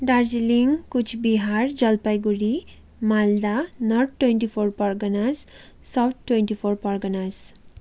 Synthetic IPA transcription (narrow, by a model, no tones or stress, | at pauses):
ɖaɾziliŋkut͡ʃʰbiɦaɾd͡ʒʌlpajɡuɾi | mald̪anɔɾʈ̚ʈːweɳʈipʰoɾpɔɾɡənaz | sawt̪̚ʰʈːweɳʈipʰoɾpɔɾɡənaz